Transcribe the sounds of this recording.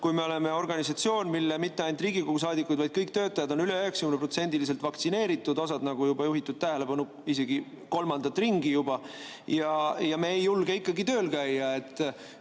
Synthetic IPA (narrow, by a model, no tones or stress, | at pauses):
kujmeo̞le̞me̞o̞rɡ̥ɑnisɑt̪sio̞ːnmilːemit̪ːeɑjnt̪riːɡ̥ikoɡ̥us̬ɑːd̪ikˑːujd̪vɑjd̪̥̚kɤjk̚t̪øːt̪ːˑɑjɑd̪o̞nyleøɦeksɑ̥kymnepro̞t̪se̞nʲd̪ilis̬e̞lt̪vɑkt̪sine̞ːɾit̪ːˑud̪o̞s̬ɑd̪nɑɡ̥ujubɑjuɦit̪ːˑud̪̥̚t̪æɦe̞le̞pɑnu | ise̞ɡ̥i | ko̞lmɑnd̪̥ɑt̪ːˑriŋɡijubɑ | jɑjɑmeejːulɡ̥eikːˑɑɡit̪ø̞ːlkæjːɑe̞t̪ːˑ